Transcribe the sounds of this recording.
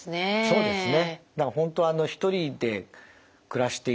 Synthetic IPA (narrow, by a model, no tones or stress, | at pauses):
neso̞ːd̪e̞sɨne̞d̪akaɦõ̞nt̪o̞ano̞çi̥t̪o̞ɾʲid̪e̞ | kɯ̟ɾaɕi̥t̪e̞